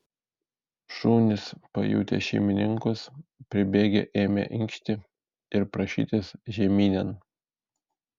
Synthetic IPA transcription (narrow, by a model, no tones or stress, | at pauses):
ʃuːnʲɪspɐ̰jṵːt̪ʲḛʃʲɛɪmʲɪnʲɪŋkʊspʲɾʲɪbʲeːɡʲḛʔeːmʲɛ̰ʔɪŋʲkʃʲt̪ʲɪ | ɪɾpɾɐʃʲḭːt̪ʲɪsʒʲɛmʲiːnʲɛn